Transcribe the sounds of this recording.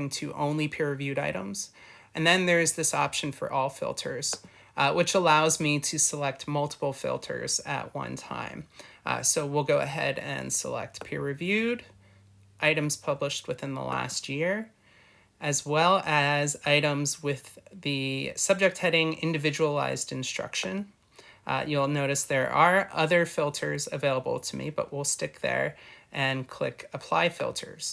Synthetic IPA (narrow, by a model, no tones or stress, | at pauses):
ŋtʰɨʔõ̰ʊ̃nlipʰɪɹɨvjʉɾaɪɾə̃mz̥ | ɨ̃nðɨ̃nðə˞ɨzðɪsɑpʃɨ̃n̩fə̰˞ʔɔlˠfɪ̰lˠtʰə˞z̥ | wʔɨt͡ʃəlaʊzmiɾɨsəlɛk̚t̚mʌlˠtʰə̥pl̩ˠfɪ̰lˠtʰə̰˞z̥ɨ̰ʔ̚wʌ̰̃ntʰã̰ɪ̃msoʊwilˠɡoʊɨ̰ɦɛ̰ɾɨ̰̃nsə̰lɛ̰k̚t̚pʰɪɹɹɨvjʉɾ | ʔaɪɾɨ̃mz̥pʰʌbləʃt̚wɨθɪ̃nðə̰læ̰st̚jɪɹ | ʔɨzwɛlˠɨzaɪɾə̃mzwɪðɨsʌb̚d͡ʒɨk̚t̚hɛɾɪ̃ŋɪ̃ndɨvɪd͡ʒəl̩a̰ɪzdɨ̃nstɹ̥ʌ̰kʃɨ̃n | jɨlˠnoʊɾɨsðə˞ʔə˞ʔʌðə˞fɪlˠtʰə˞zɨveɪlˠəbl̩ˠtʰɨmḭbʌ̰ʔwilˠstɪk̚ðə̰˞ʔɨ̃nkʰl̥ɪ̰kəpʰl̥aɪfɪ̰lˠtʰə̰˞z̥